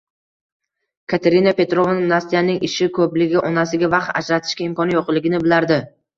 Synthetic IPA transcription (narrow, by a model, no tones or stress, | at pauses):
kʰat̪ʰeɾɪnape̞t̪ɾo̞vanmnast̪ijanɪŋɪʃɪkʰɵplɪɡʲɪʔɒnasɪɡʲavɑqt̪a̰d͡ʒɾat̪ʰɪ̥ʃkʲaɪmkʰɒnjoqlˠɪɡʲɪnɪbɪlaɾd̪ɪ